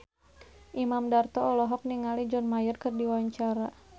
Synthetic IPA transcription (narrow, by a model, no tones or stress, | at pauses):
ʔimamdart̪ɔːlɔɦɔk̚niŋalid͡ʒɔnmajərkɨrdiwaaɲt͡ʃaɾa